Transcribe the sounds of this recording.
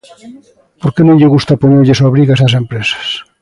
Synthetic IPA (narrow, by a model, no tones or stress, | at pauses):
poɾkenõɲʎeɣust̪apoɲeʎeswaβɾiɣaesas̬empɾesḁs